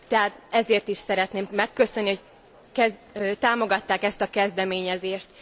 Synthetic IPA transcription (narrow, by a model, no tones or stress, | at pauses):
t̪ɛɦaːt̪̚ɛzeːrt̪iʃsɛɾɛt̪neːmmɛkːøsønːiho̞c | kɛt̪aːmo̞ɡɒt̪ːaːkɛst̪ɒkɛzd̪ɛmeːɲɛzeːʃt̪